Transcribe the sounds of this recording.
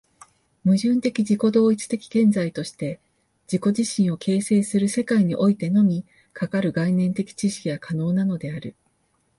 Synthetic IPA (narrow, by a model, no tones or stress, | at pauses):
mɯ̟ʑɨ̃nt̪e̞kʲid͡ʑiko̞d̪o̞ːit͡sɨ̥t̪e̞kʲi̥ɡ̥ẽ̞nd͡zait̪o̞ɕi̥t̪e̞ | d͡ʑ̥iko̞ʑiɕĩɰ̃o̞kʰe̞ːse̞ːsɨɾɯ̟se̞kaiɲ̟iʔo̞it̪e̞no̞mʲi | kʰakaɾɯ̟ɡainẽ̞nt̪e̞kʲi̥t͡ɕiɕi̥kʲiɡakʰano̞ːnano̞d̪e̞aɾɯ̟